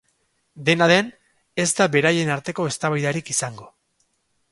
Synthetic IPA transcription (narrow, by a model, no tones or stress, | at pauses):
d̪e̞naðe̞n | e̞zd̪aβe̞ɾaje̞naɾt̪e̞ko̞e̞st̪aβajðaɾikisaŋɡo̞